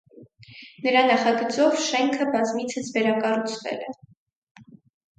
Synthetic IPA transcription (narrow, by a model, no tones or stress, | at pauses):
nəɾɑnɑχɑɡət͡sɔvʃɛŋkʰəbɑzmit͡sʰəsvɛɾɑkɑrut͡sʰvɛ̰lɛ